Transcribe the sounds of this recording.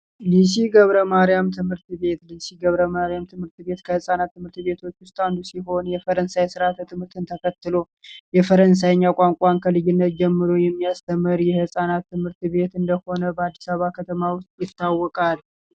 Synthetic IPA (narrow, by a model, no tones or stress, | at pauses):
lis̬iɡəβɾəmaɾijamt̪ʰɨmhɨɾt̪βe̞t̪lisiɡəβɾəmaɾijamt̪ʰɨmɨɾt̪βe̞t̪kʰəhɨsʼanat̪ːɨmɨɾt̪βe̞t̪ʰo̞t͡ʃːwʊst̪ʼand̪usiɦo̞njɛfəɾənsajsɨɾat̪t̪ʰɨmhɨɾt̪ʰɨnt̪ʰəkʰət̪ːɨlo̞ | jɛfəɾəns̬ajɲːakʼaŋkʼankʰəlɨjɪnːət̪d͡ʒɛmːɨɾojɛmːijast̪ʰəmːəɾjɛhɨsʼanat̪ːɨmhɨɾt̪βe̞t̪ɨnd̪əho̞nəbəad̪ːi̥saββakʰət̪ʰəmawʊst̪ʼjɪt̪ʰːawːɔkʼal